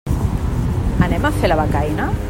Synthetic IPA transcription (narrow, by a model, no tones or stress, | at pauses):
anemafelaβakajna